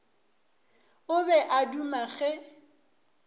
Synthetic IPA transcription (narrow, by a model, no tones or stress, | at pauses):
ʊbɛʔadumaɣɛ